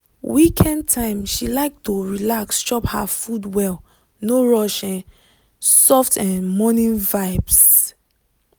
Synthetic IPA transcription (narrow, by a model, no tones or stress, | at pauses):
wikʰɛ̃ntʰãɪ̃mʃilaɪk̚tuɹilakst͡ʃɔpha̰fudwɛl | noɹɔʃɛ̃n | sɔftʰɛ̃nmɔnĩnvaɪbs